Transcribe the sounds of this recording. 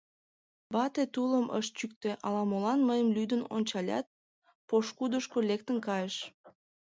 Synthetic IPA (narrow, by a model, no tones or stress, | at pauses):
bɑt̪et̪ulˠəmʔə̰ʃt͡ɕyk̚t̪øʔɑlˠɑmolˠɑnmɤjəmlʲyd̪ynont͡ɕɑlʲɑ̰t̪̚ | poʃkud̪uʃkolʲek̚t̪əŋkɑjəʃ